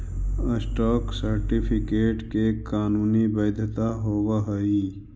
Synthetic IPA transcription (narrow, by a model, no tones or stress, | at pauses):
əsʈɔːksəɾʈipʰikeːʈkekaːnuːnibəjd̪ʱt̪aɦoːwaɦəi